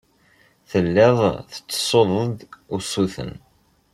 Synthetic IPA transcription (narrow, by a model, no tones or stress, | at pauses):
θəlːɪðˤθə̥t͡sːə̥sˤoðˤəðʊsuθə̰n